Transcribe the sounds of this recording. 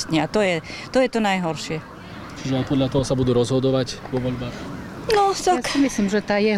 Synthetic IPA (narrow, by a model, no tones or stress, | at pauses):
t̪ɲɛat̪ɔjɛt̪ɔjɛt̪ɔnajɦɔɾʃɪɛ | t͡ʃiʒɛapɔd̪ʎat̪ɔɦɔsabud̪uːɾɔzɦɔd̪ɔʋacʋɔʋɔʎbaːxnɔt̪akmislimʒɛt̪aːjɛɦ